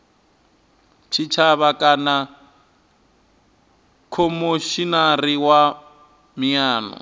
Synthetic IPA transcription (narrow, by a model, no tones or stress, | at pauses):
t͡ʃʰit͡ʃʰaβakʼana | kʰɔmoʃinariwa | mijaːnɔ̰